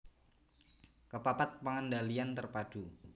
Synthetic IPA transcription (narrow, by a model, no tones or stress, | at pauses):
kəpapat̪̚paŋandaliant̪ərpad̥u